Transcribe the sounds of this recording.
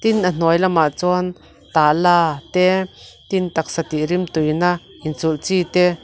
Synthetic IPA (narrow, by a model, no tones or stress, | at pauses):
t̪inʔan̥ɔjlamaʔt͡sɔan | t̪alat̪ɛt̪int̪ak̚sat̪iɾimt̪ujna | ʔint͡sult͡sit̪ɛ